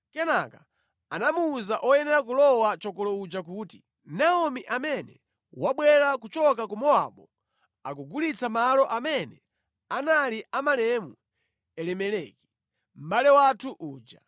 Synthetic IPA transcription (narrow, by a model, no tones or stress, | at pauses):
kɛnaka | anamuːzaʔɔjɛnɛɾak̬ulɔwat͡ʃɔkɔlɔud͡ʒak̬uːti | naɔmiʔamɛnɛ̰ | waɓwɛɾakut͡ʃɔkakumɔa̰ɓɔ | akuɡulit͡samalɔʔamɛnɛ | analiʔamalɛmu | ɛlɛmɛlɛki̥ | m̩ɓalɛwatʰuʔuːd͡ʒa